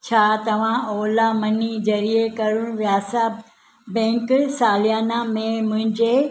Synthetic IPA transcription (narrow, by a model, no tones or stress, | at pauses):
t͡ɕʰaːt̪ɐʋ̤ãoːlamɐnid͡ʑɐɾiekɐɾʊɽ̃ʋjaːsa | bɛ̃ːksaːlijaːnamẽmʊ̃ɦɪ̃ɲd͡ʑe